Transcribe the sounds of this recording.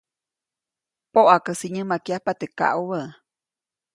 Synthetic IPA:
poʔakəsiɲə̃makiahpat̪eka̰ʔuβəʔ

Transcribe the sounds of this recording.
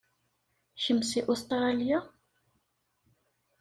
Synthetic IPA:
çəmsiʔust̪ɾalja

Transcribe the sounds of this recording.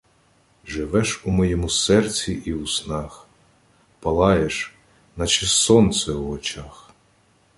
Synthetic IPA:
ʒɪʋɛʃumɔjɛmusɛrt͡sʲiʔiusnɑx | pɐlˠɑjeʃ | nɐt͡ʃɪsɔnt̪sɛuɔt͡ʃɑx

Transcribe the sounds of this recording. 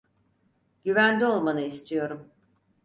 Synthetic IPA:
ɟyvænd̪ʲio̞lˠmanɯist̪ʰijo̞ɾum

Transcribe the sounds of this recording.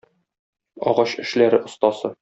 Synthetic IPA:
ɒ̰ʁɑɕɘ̆ʃlæɾɘʔŏst̪ɑsɤ

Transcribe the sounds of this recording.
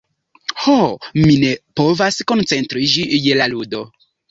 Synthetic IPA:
homine̞po̞vasko̞nt͡se̞ntɾid͡ʒijelaludo̞

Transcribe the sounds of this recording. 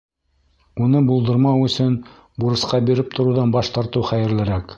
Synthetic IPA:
unɤbulˠd̪ɤ̆ɾmɑwɵ̆sɵn | buɾɤ̆sqɑbiɾɘp̚t̪ʰŏɾuwðɑnbɑʃt̪ɑɾt̪ɤwχæjɘ̆ɾlɘ̆ɾæk

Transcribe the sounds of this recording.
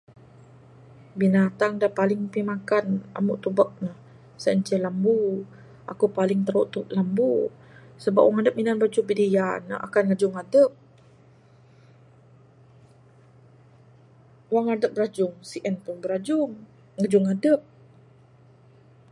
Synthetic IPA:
binat̪aŋdapalɪŋpimakana̰muʔt̪ubək̚nah | səəɲt͡ʃɛlambu | ʔakupalɪŋt̪əɾuʔt̪ulambu | səbapʔ̚waŋadəp̚minanbad͡ʒubidəjanaʔa̰kanŋad͡ʒʊŋadəp̚ | waŋadəp̚bəɾad͡ʒʊŋsiʔɛnpʊnbəɾad͡ʒʊŋ | ŋad͡ʒʊŋadəp̚

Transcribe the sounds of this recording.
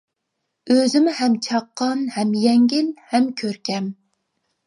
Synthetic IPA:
øzɪmɪhɛmt͡ʃʰɑqʰːɑnhɛmjɛŋɡʲɪnhɛmkʲʰøɾkʲʰɛm

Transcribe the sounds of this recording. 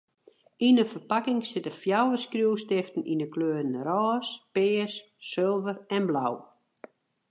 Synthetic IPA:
inəfərpakɪŋsɪtəfjawəskrjuwstɪftn̩inəkløːɾən̩rɔːspɪːsː | ølˠvərɛnblaw

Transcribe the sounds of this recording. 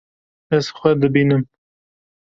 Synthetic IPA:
ɛz̥xʷɛd̪ɨbiːnɨm

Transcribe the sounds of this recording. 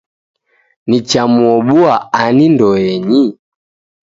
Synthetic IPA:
nit͡ʃamuɔɓuaanindɔɛɲi

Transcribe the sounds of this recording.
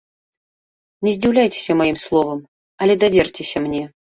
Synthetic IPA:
nʲɛzʲd͡zʲiwlʲajt͡sʲe̥sʲɐmajimslˠɔvɐm | ɐlʲɛd̪avʲɛrt͡sʲɛsʲɐmnʲɛ

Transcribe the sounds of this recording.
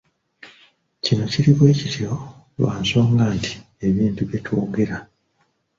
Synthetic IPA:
cino̞ciɾiβwe̞ːcitʰiɾo̞ | lwa̰ːnso̞ːŋɡaːnti̥ | e̞βiːntuβetʰuːŋɡeɾa

